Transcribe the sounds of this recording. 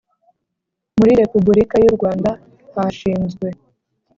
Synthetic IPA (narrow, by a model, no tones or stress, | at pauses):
muɾiɾe̞pubuɾikajuɾɡwaːnda | haʃiːnzɡwe̞